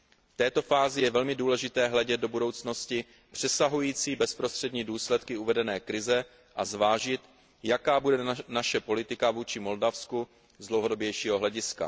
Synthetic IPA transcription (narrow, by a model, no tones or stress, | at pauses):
ft̪ɛːt̪o̞faːzɪjɛvɛlmɪduːlɛʒɪt̪ɛːɦlɛɟɛd̪̚do̞budo̞wt͡sno̞scɪ | pr̥ɛsaɦujiːt͡siːbɛspɾost̪r̥ɛdɲiːduːslɛt̪kɪuvɛdɛnɛːkɾɪzɛ | ʔazvaːʒɪt̪ | jakaːbudɛnaʃɛpo̞lɪt̪ɪkavuːt͡ʃɪmo̞ldafsku | zdlowɦodo̞bjɛjʃiːɦo̞ɦlɛɟɪska̰